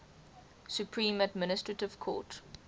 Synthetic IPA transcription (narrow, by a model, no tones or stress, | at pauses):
sjupʰɹĩːmədmɪnɪstɹətɪv̥kʰɔ̰ːt